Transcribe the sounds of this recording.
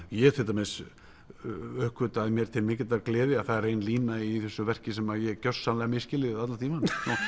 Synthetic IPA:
jɛt̪ʰɪlt̪ames | œhkvʏt̪aðmjɛɾ̥t̪ʰɪlmɪːc̬ɪt̪aɾklɛːðɪaθaðɛɾejnliːnaiθɛsːʏvɛr̥cɪsɛmaðjɛɣcœsːanlɛːɣamɪscɪlɪððat̪lat̪ʰiːmano

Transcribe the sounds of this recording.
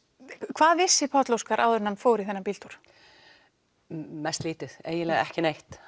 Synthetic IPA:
kʰvaːðvɪsːɪpʰɔt̪lowskaɾʔawðʏɾnanfoːwɾiθɛnapilt̪uɾ̥ | mɛjst̪liːt̪ɪðḛːjɪlɛːɣɛhcɪnejht̪

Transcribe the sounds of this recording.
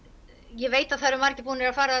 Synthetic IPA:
jɛveːjt̪aðθɛɾʏmaɾ̥cɪpuːnɪɛɾafaːɾa

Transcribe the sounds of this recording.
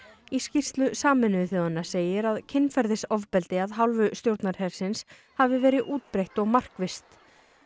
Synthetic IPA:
iscir̥t̪lʏsaːmɛnːʏθjowðanːḁseːjɪɾaðcʰɪnfɛɾðɪsɔvpɛlt̪ɪaðɦalvʏst̪jowɾt̪naɾ̥hɛɾ̥sɪns | havɪvɛːɾɪʔuːt̪̚pɾejht̪ɔɣmar̥kvɪst̪

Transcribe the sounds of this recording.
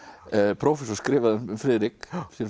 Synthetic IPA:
pʰɾofesɔskɾiːʋaðnnfɾeːðɾiksiːɾ

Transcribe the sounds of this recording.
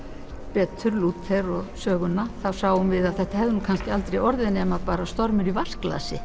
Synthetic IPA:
pɛːt̪ʰːʏɾlut̪θeɾɔɣsœːɣʏnːaθawsaːwʏmvɪðaðθɛht̪aɦɛvðʏnukʰanscɪalt̪ɾejɔɾðɪnɛːmapaːɾast̪ɔɾmʏɾivaskla̰ːsɪ̰

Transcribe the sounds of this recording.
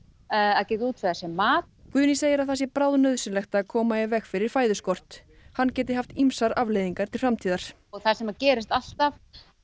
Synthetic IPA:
aðcɛːt̪ɪuːt̪fɛɾðasjɛmaːt̪kvʏðʏniseːjɪɾaðθasjɛpɾaːwðnœðsɪnlɛxt̪aːkʰɔːmaɛvɛxfɪɾɪɾ̥faːjðʏskɔr̥t̪ | hanːcɛːt̪ɪɦaft̪imsaɾavlejðiŋkaɾt̪ʰɪlfɾamt̪ʰiːðaɾ̥ | ɔɣθasɛmacɛːɾɪst̪al̥t̪av

